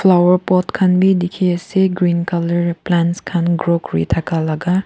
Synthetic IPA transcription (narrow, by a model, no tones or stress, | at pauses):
fʰlawəɾpɔtkʰanbidikʰiaseɡɾinkaləɾplanskʰanɡɾokɾḭtʰakalaɡa